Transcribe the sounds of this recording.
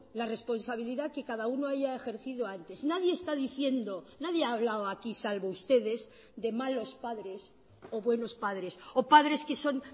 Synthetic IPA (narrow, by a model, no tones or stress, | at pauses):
lare̞spo̞nsaβ̞iliðake̞kaðaunoaʝae̞xe̞ɾθiðo̞ant̪e̞znaðje̞ːst̪aðiθje̞nd̪o̞naðjeaːβ̞lawoakisalβoust̪e̞ðe̞z | d̪e̞malo̞spaðɾe̞s | o̞βwe̞no̞spaðɾe̞so̞paðɾe̞ske̞so̞n